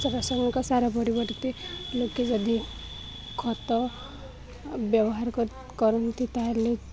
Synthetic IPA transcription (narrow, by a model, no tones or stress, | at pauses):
sɔbasɔŋɡɔkɔsaɾapɔɾibɔɾt̪iloked͡ʒʌd̪i | kʰɔt̪ɔ | bjɔbɔɦaɾkɔ | kɔɾunt̪ʰit̪aɦle